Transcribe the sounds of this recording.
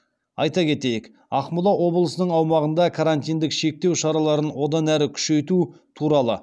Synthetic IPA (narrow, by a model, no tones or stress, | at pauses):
ɑ̰jt̪ɑkʲʰe̞t̪e̞jek | ɑqmʊlˠɑwʔo̞blˠəsənəɴɑwmɑʁənd̪ɑkʰaɾant̪ijnd̪ɪkʃe̞k̚t̪e̞wʃɑɾɑlˠɑɾənwo̞d̪ɑnæɾɪkʲʰʏ̥ʃe̞jt̪u | t̪ʰuɾɑlˠə